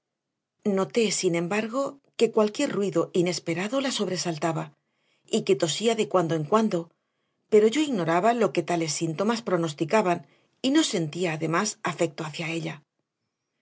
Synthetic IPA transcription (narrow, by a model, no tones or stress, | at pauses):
no̞t̪e̞sinẽ̞mbaɾɣo̞ke̞kwalkje̞ɾrwiðo̞ʔine̞spe̞ɾaðo̞laso̞βɾe̞salt̪aβa | ike̞t̪o̞siaðe̞kwand̪oeŋkwand̪o̞ | pe̞ɾo̞ʝo̞iɣno̞ɾaβalo̞ke̞t̪ale̞sːint̪o̞maspɾo̞no̞st̪ikaβan | ino̞se̞nt̪iaːðe̞masafe̞k̚t̪o̞aθjae̞ʎa